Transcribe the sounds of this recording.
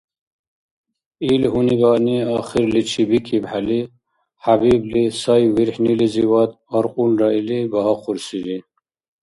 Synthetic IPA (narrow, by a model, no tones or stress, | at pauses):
ilɦunibaːniaːxiɾlit͡ɕʰibikibħali | habiblisajwiɾħniliziwat̪ | ɐɾqunɖailiɡaɦaquɾsili